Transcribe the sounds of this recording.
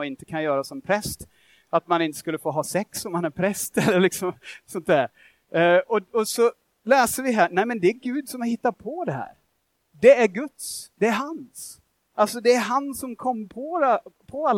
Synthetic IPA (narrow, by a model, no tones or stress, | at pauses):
ɔɪnt̪ə̥kʰanjœːɾasɔmpʰɾɛst̪ | at̪manɪnt̪ə̥skɵlːəfoːɦɑːsɛksɔmhanæɾpʰɾɛst̪ɛlːəɾlɪksɔmsɔnt̪d̪æːɾ | ɔɔsɔ | lɛːsəɾvɪɦæːnæɪmɛnd̪ɛæɾɡʉ̟ːd̪sɔmhaɾhɪt̪ːad̪̚pʰɔd̪ɛɦæ̰ːɾ | d̪ɛæɾɡɵt̪sd̪ɛːɾɦans | ʔalsɔd̪ɛːɾɦansɔmkʰɔmːpʰɔpʰɔalː